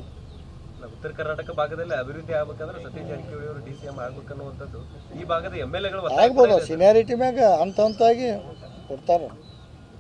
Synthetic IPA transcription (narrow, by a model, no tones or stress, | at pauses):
naʋut̪ːɐɾɐkɐɾnaːʈɐkɐbʱaːɡɐd̪ɐlːiɐbʱiɾud̪ʱːiaːɡɐbeːkaːd̪ɐɾet̪ɐd̪jid͡ʒɐnikɛuɭijɐʋɐɾuɖiːsijemaːɡɐbeːkɐnːuːʋɐnt̪ɐd̪ːu | iːbʱaːɡɐd̪ɐemːelːeɡɐɭuʋɐɾaːaːɡɐbɐːd̪ɐsinijaːɾiʈ̬imaːɡɐɐnt̪ɐɐnt̪aːɡikoɽt̪aːɾe